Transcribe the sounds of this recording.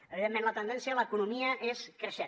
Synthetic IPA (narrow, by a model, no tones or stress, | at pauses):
əβiðemːmẽnlət̪ənd̪ɛnsiəələkunumiəʔeskɾəʃe